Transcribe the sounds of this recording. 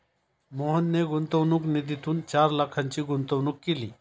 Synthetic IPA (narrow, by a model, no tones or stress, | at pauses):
moːɦənːeɡʊnt̪oʋnuknid̪it̪unt͡ʃaːɾlakʰːɐnt͡ɕiɡʊnt̪oʋnukːilḭː